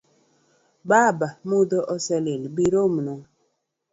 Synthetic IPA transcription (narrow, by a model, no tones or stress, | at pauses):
baːbamudɔʔɔsɛlelbiɾomnɔ